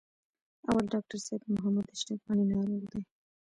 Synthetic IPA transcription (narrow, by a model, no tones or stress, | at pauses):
awalɖɑk̚ʈaɾsebmʊɦamad̪ɪʃʈafɣɑninɑɾoɣd̪e